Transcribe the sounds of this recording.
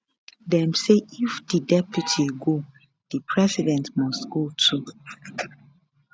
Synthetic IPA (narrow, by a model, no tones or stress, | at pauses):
dɛ̃mseifdidɛpʰjutʰiɡo | d̥ipʰɹɛsidɛ̃ntmɔstɡotʰu